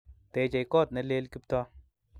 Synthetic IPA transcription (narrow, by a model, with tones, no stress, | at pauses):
tɛ˨t͡ʃa˨jkɔ˦˨t̪̚nɛ˨˦le˦lkɪ˦p̚tɔ˦